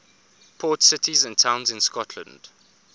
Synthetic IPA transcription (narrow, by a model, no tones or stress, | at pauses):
pʰɔːˑtsɪtʰizə̃ntʰãʊ̃nzɪ̃nskɔtʰlə̰̃nd̥